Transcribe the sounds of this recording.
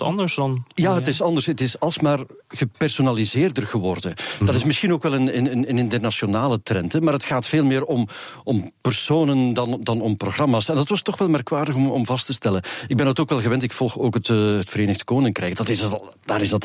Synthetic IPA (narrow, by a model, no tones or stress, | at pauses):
ɑ̰ndəɹsdɑnjaːɦətɪsɑndərsətɪsɑlˠsmaːrɣəpɛrsonalizɪːrdərɣəʋɔrdəd̥ɑtɪsmɪsxinoːkʋɛlˠənənənənɪntərnasonaːlətrɛntɛmaːɾətxaːtfeːlˠmɪːɾɔm | ʔɔmpərsoːnəndɑndɑnɔmproχrɑmaːsɛndɑtʋɑstɔxʋɛlˠmɛrkʋaːrdəxɔmɔ̰mvɑstəstɛləɪɡ̚bɛndɑtoːkʋɛlˠɣəʋɛntɪkfɔlˠxoːkətətfəɾeːnəɣdə̥koːnɪŋkrɛjkdɑtɪstlˠ | d̥aːɾɪzdɑt